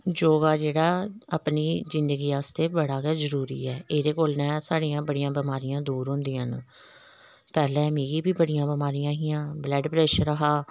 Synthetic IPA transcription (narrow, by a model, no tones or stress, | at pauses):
d͡ʒoːɡaːd͡ʒeːɽaːaːpniːzɪnd̪əɡiːaːst̪eːbəɽaːkɛːzəɾuːɾḭːɛːʔeːd̪eːkoːlnɛ̃ːsaːɽiːjãːbəɽɪjãːbəmaːɾɪjãːd̪uːɾɦʊ̃nd̪iːɦən | pɛːlɛːmiːɡiːbiːbəɽɪjãːbəmaːɾɪjãːɦiːãːblɛːɖpɾɛːʃəɾəɦaː